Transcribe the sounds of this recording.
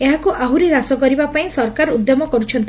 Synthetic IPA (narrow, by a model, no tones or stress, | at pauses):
eɦakuʔaɦuɾiɾasɔkɔɾibapaĩsɔɾkaɾud̪jɔmɔkɔɾut͡ʃʰɔnt̪i